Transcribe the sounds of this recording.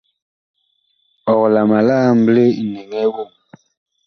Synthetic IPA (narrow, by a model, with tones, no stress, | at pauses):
ɔ˨ɣla˨ma˨la˦m̩˦ble˦i˨ne˨ŋɛ˦wo˦˨